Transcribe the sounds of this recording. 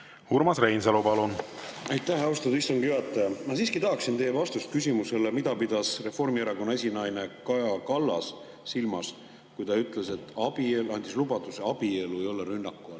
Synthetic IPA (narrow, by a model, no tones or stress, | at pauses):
huɾmɑsrejnselupɑlunɑjt̪ːˑæhɑwst̪ɑd̪ist̪oŋɡ̥jyɑt̪ːˑɑjɑmɑsiːskit̪ɑɦɑksint̪ejevɑst̪ust̪̚kys̬ʲimuse̞lemid̪̥ɑpid̪ɑsre̞fo̞rmieɾɑko̞nːɑesʲinɑjne̞kɑjɑkɑlːɑ̰sː | ilmɑs | kujt̪ɑyt̪ˑle̞se̞t̪ˑːɑb̥ielɑnʲd̪islubɑt̪useɑb̥ie̞lue̞jo̞lːeɾynːɑkːuɑl